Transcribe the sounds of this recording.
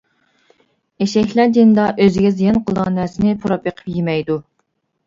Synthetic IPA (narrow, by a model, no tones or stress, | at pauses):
eʃɛkʲlæd͡ʒ̪ind̪ɑʔøzɪɡʲɛzijɛnqʰəlˠdɑ̃næsɪnɪpʰuɾɑpjeqʰə̥pjimɛjd̪u